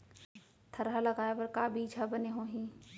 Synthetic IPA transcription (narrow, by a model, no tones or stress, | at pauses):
t̪ʰɐɾɦalɐɡaːeʋɐɾkaːbʱiːd͡ʒʰabɐneɦoːɦĩː